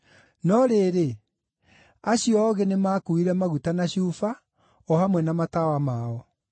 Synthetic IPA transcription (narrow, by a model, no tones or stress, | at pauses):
nɔɾeːɾe | aɕjɔɣenemakuiɾɛmaɣutanaɕufa | ɔhamwɛnamatawamaɔ